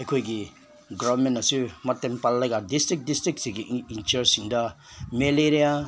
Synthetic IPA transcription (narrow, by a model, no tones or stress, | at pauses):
ɐjkʰojɡi | ɡɔbmenasumatːempalːajɡadistɾik̚distɾik̚siɡiint͡ʃɐɾsiŋdɐmeleɾija